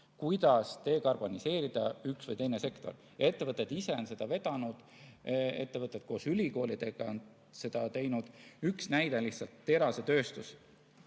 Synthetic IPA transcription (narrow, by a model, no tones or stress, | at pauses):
kujd̪̥ɑst̪e̞ːkɑrb̥o̞nise̞ːɾid̪̥ɑyksvəjt̪e̞jne̞se̞kt̪o̞̰r | e̞t̪ːevɤt̪ːˑe̞d̪̥ise̞o̞nse̞d̪̥ɑve̞t̪ɑnud̪̥ | e̞̰t̪ːe̞vɤt̪ːˑet̪̚ko̞ːsylʲiko̞ːlid̪̥e̞ɡ̥ɑo̞n | se̞d̪̥ɑt̪e̞jnud̪̥yksnæjd̪e̞liht̪sɑlt̪ːe̞ɾɑse̞t̪ø̞ːst̪us